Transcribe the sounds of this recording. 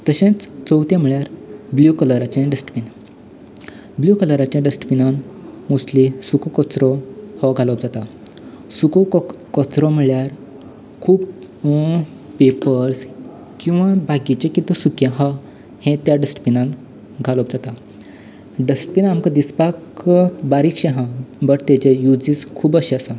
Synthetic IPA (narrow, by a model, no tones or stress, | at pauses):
t̪əɕẽt͡st͡səwt̪jam̤iɭjaɾbljukələɾat͡ɕẽɖəsʈpin | bljukələɾat͡ɕjãɖəsʈpinanmuslisukɔkɔt͡sɾɔhɔɡʱalɔpd͡zat̪a | sukɔ | kɔt͡sɾɔm̤iɭjaɾ | kʰuːb | pepəɾs | kĩw̃ʋãbʱaɡit͡ɕekit̪əsukjẽɦɔ | hẽt̪jaɖəsʈpinãn | ɡʱaləpd͡zat̪a | ɖəsʈpinamkəd̪ispakkəbaɾikɕẽɦãbəɾt̪et͡ɕejud͡ziːskʰuːbəɕeəsa